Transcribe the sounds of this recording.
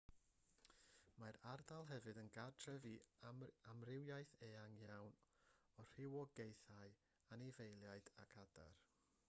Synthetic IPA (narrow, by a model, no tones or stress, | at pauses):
maɾardalˠɦɛvɨdənɡadʰrɛvi | amrɪwjajθeːaŋjawn | ɔr̥ɪwɔɡejθaj | anivejlˠjaɨdakʰada̰r